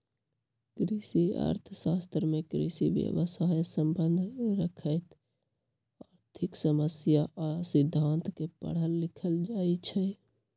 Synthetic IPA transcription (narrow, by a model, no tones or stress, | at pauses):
kɾisia̰ɾt̪ʰəsast̪ɾmekɾḭsḭbjə̰ʋəsajsəmbənd̪ʱɾəkʰəjt̪ | aɾt̪ʰiksəməsjaʔasid̪ʱːant̪kepə̰ɽ̤ɦəlːikʰəld͡ʒait͡ʃʰɛ